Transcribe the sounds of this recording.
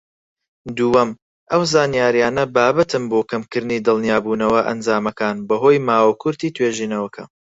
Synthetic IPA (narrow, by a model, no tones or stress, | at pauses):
d̪uwɐm | ʔɐwzaːnijaːɾjaːnɐbaːbɐt̪ʰɨmbokʰɐmkɨɾniːd̪ɨlˠnijaːbuːnɐwɐʔɐ̰nd͡zaːmɐkaːnbɐɦoːjmaːwɐkʰʊɾt̪iːt̪ʰweːʒiːnɐwɐkʰɐ